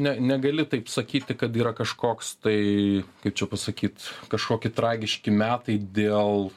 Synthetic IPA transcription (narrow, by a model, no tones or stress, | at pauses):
nʲɛnʲɛɡɐlʲɪt̪ɐɪpsɐkʲiːt̪ʲɪkɐt̪iːɾɐkɐʃkoːkst̪ɐɪkɐɪpt͡ʃʲɛpɐsɐkʲiːt̪kɐʃkoːkʲɪt̪ɾɑːɡʲɪʃʲkʲɪmʲæːt̪ɐɪd̪ʲeːlˠ